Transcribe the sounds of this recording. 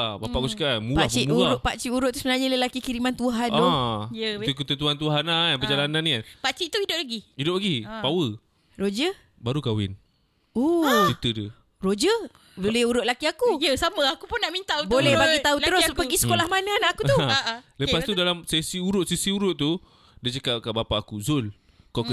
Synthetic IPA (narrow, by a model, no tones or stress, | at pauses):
bapaʔkuskamupahbimuaɾʊʔ̚pat͡ʃiʔuɾʊʔ̪̚t̪ːusəbənarɲaləlakikiɾimant̪uɦanjət̪ukut̪ənt̪̬uant̪̬uɦananpəd͡ʒalananianpaʔt͡ʃiʔt̪uidʊp̚laɡiidʊp̚laɡipawə | rod͡ʒə | baɾukawɪ̰n | ot͡ʃit̪ədə | rod͡ʒə | bolɛhuɾʊʔ̪̚lakiakujəsamə̃akupʊnːaʔmint̪aubolɛhbaɡit̪auəɾʊsbəɡisə̥kolahmanaanaakut̪uləpast̪udalamsesiuɾʊt̪ʔ̪̚sesiuɾʊʔ̪̚t̪u | dit͡ʃəkap̚kaʔbapaʔakuzʊl | ka